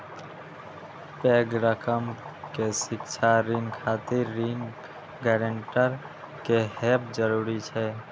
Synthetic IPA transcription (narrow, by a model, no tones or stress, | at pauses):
pɛɡɾəkəm | kesɪkt͡ʃʰaɾiŋɡkʰat̪iɾːiŋɡ | ɡɛɾəɳʈəɾ | keɦɛpd͡ʒəɾuːɾit͡ʃʰɛ